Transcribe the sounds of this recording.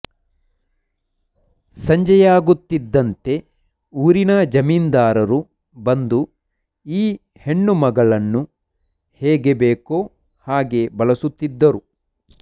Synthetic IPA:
sɐɲd͡ʒɐjaːɡut̪ːid̪ːɐnt̪e̞ | uːɾinɐd͡ʒɐmiːnd̪aːɾɐɾu | bɐnd̪u | iː | he̞ɳːumɐɡɐɭɐnːu | heːɡebeːkoː | haːɡe̞bɐɭɐsut̪ːid̪ːɐɾu

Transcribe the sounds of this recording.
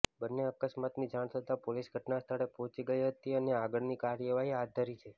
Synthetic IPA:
bənːeəkəsmat̪nid͡ʒaɳ̃t̪ʰət̪apolisɡʱəʈnast̪ʰaɽepɔɦt͡ʃiɡəiɦət̪iəneaɡəɭnikaɾjəʋaɦiɦat̪d̪ʱəɾit͡ʃʰe

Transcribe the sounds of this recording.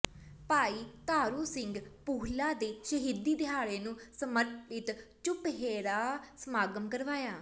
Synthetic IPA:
paːiːt̪aːɾuːsɪŋɡpuːɦlãːd̪eːʃəɦiːd̪iːd̪ɪjaːɭeːnũːsəməɾʈɪt̪t͡ʃʊpɦeːɾaːsəmaːɡəmkəɾʋaːjaː

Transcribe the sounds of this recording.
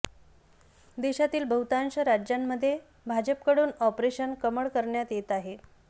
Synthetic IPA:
d̪eɕat̪iːlbʱəɦut̪anɕəɾad͡ʑjamːəd̪ʱːje | bʱad͡ʑəpkəɽuːnɔpɾeɕənkəməɭkəɾɳjat̪jet̪aɦe

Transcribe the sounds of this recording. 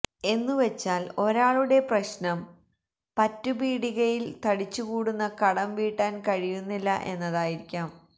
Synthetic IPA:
e̞nːuʋe̞t͡ɕːaːlo̞ɾaːɭuɽe̞prɐɕnɐm | pɐtːubiːɽiɣɐjilt̪ɐɽit͡ɕːukuːɽunːɐkɐɽɐmʋiːʈːaːnkɐɻijunːilːɐ̰ʔe̞nːɐðaːjiɾikʲːaːm

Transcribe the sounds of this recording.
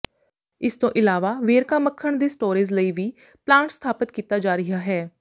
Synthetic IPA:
ɪst̪õːʔɪlaːʋaːʋeːɾkaːməkʰːəɳd̪iːsʈoːɾiːzləiːʋiː | plãːɳʈst̪ʰaːpət̪kiːt̪aːd͡ʒaːɾɪɦaːɦɛː

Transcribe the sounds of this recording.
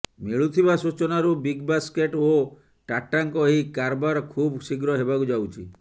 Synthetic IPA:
miɭut̪ʰibasut͡ʃɔnaɾubiɡbaskeʈo | ʈaʈːaŋkɔɦikaɾbaɾɔkʰubsiɡɾɔɦebakud͡ʒawt͡ʃʰḭ

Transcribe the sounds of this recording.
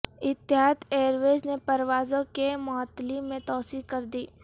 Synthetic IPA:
ɪt̪ːɪɦaːt̪eːɾʋeːznepɐɾʋaːzõkemɔːt̪ːlimẽt̪ɔːsikɐɾd̪iː

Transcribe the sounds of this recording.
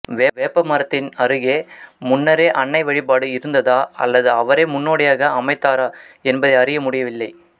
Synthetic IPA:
ʋeːʋeːpːɐmɐɾɐt̪ːɪnɐɾɯɣeːmʊnːɐɾeːʔɐɳːɐɪʋɐɻɪp̬ːaːɽɯɪɾɯnd̪ɐðaːɐ̰lːɐðɯɐʋɐɾeːmʊnːoːɽɐjaːɣɐʔɐmɐɪt̪ːaːɾaːɛnbɐðɐɪɐɾɪjɐmʊɽɪjɐʋɪlːɐɪ

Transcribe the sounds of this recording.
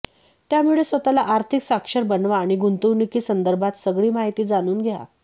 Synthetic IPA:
t̪jamuɭesʋət̪alaʔaɾt̪ʰiksakʂəɾbənʋaːɽ̃iɡunt̪uʋnikiːsənd̪əɾbʱat̪səɡɭiːmaɦit̪iːd͡zaɽ̃uːnɡʱea̰

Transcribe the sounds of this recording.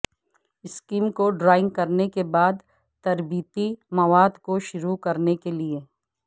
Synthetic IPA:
ɪskiːmkoɖɾaːɪ̃ŋɡ̚kɐɾnekebaːd̪ | t̪ɐɾbiːt̪imɐʋaːd̪koʃʊɾukɐɾnekelie

